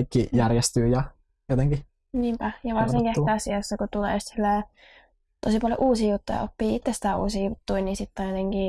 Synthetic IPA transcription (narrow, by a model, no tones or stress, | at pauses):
kːijærjest̪yːjɑ | jot̪eŋɡi | niːmpæjɑʋɑrsiŋkieht̪æɑsiɑsːɑkut̪ulḛːjust̪silːeː | t̪osipɑljo̰ʔuːsiːjut̪ːujɑ̰o̰pːiːit̪ːest̪æṵːsiːjut̪ːuinisit̪ːɑnjot̪eŋki